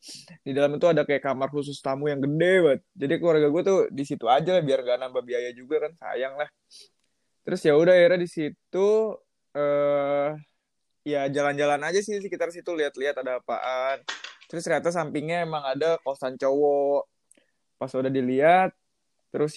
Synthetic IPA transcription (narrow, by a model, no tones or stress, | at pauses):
didalamit̪uadakajakamarhus̬ʊst̪amujaŋɡədebat̪̚d͡ʒadikluarɡaɡuat̪udisit̪uad͡ʒalahbiarŋɡaʔnambabiajad͡ʒuɡakansa̰jaŋlah | t̪əɾʊsjaudaiɾadisit̪u | əː | jad͡ʒaland͡ʒalanad͡ʒasɪsəkit̪aɾsit̪uliɦat̪liɦat̪adapa̰ʔant̪əɾʊsɾiat̪as̬ampɪŋɲaemaŋadakosant͡ʃowɔʔ | pasudahdiliat̪̚ː | əɾʊs